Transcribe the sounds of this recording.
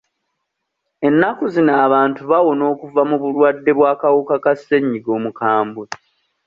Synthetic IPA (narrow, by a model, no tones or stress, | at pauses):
e̞nːakuzinaːβaːntuβawo̞no̞ːkuvamuβulwadːe̞βwaːkawukakasːe̞ɲːiɡo̞ːmukaːmbui